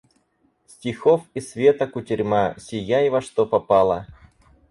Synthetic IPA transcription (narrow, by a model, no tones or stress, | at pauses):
sʲtʲɪxofisvʲet̪əkʊtʲɪɾʲmasʲɪjaɪvɐʂt̪opɐpalˠə